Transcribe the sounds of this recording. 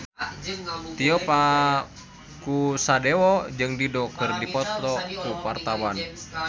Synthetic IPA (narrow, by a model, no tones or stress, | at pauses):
t̪iɔpa | kusadewɔd͡ʒɨŋdidɔkɨrdipɔt̪ɔkupart̪awan